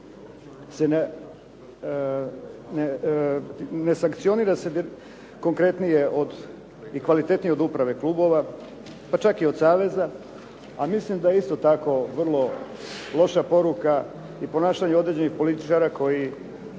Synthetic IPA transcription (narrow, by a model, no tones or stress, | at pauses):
sene | ne | ne̞saŋkt̪sio̞niːɾase̞d̪ | ko̞ŋkɾe̞t̪nije̞ʔod̪ | ikʋalit̪e̞t̪nijeod̪upɾaʋe̞klˠuːbo̞ʋa | pat͡ʃakiod̪saːʋe̞za | amislimd̪ajeist̪o̞t̪ako̞ʋr̩lˠo̞ | lˠo̞ʃapo̞ɾuka | ipo̞naːʃaɲeod̪ɾe̞d͡ʑe̞nixpo̞lit̪i̥t͡ʃaɾako̞ji